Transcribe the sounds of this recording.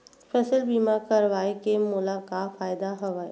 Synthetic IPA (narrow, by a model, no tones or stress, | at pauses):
fɛsəlbiːmakɐɾʋaːekemʊlakafaːɪd̪aɦɐʋaːe